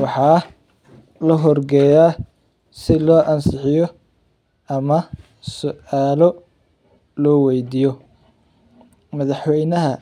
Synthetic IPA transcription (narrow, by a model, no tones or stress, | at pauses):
wɑħɑː | lɐɦɔrɡɛjaː | sɪlɔːʔɐnsɪħɪjɔ | ɐmɐ | sʊaːlɔ | lɔːwɛjd̪iːjɔ | mɐðɑħwɛjnɐɦɐ